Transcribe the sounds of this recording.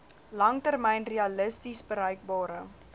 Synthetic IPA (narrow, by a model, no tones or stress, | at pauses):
lɐŋtərmɛjnreɐləstisbəɾœjk̚bɑːɾə